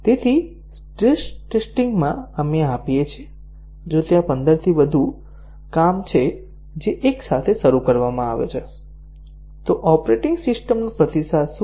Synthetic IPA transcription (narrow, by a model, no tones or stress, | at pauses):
t̪et̪ʰi | ʈɾesʈesʈɪŋɡmãəmeapijet͡ʃʰie | d͡ʒot̪jãpənd̪əɾt̪ʰiʋəd̪ʱu | kamt͡ʃʰe | d͡ʒeʔeksat̪ʰeʃəɾukəɾʋamãaʋḛt͡ʃʰe | t̪oʔɔpɾeʈɪŋɡsɪsʈəmnũpɾət̪isas